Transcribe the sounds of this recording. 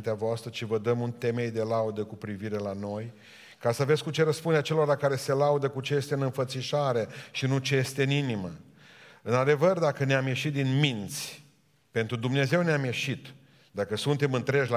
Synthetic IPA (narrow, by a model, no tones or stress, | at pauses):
nt̪eavoast̪ɾət͡ʃivəd̪əmunt̪e̞me̞jd̪e̞laud̪əkupɾiviɾe̞lano̞j | kasəvet̪sʲkut͡ʃe̞ɾəspund̪eat͡ʃelo̞ɾalakaɾe̞se̞laud̪əkut͡ʃe̞je̞st̪eɨnɨnfət̪siʃaɾeʃinut͡ʃe̞je̞st̪e̞ɨninimə | ɨnad̪e̞vərd̪akəneamje̞ʃit̪̚d̪inmint̪sʲ | pe̞nt̪ɾud̪umne̞ze̞wneamje̞ʃit̪ | d̪akəsunt̪emɨnt̪ɾe̞d͡ʒʲla